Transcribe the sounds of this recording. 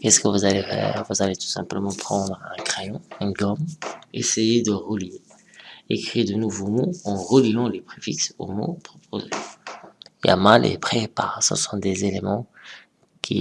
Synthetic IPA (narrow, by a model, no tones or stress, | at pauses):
kɛskəvuzalefɛ̰ːʁvuzalet̪u̥sɛ̃pləmɑ̃pχɑ̃d̪ʁɛ̃kχejɔ̃ɛ̃ɡɔmesejed̪əʁəlie | ekχid̪ənuvomoɑ̃ʁəliɑ̃lepχefikso̰mo̰pχɔpʰozḛ | ija̰malʔḛpχepa̰ʁsə̰sɔ̃d̪ezelemɑ̃ | kʲʰḭ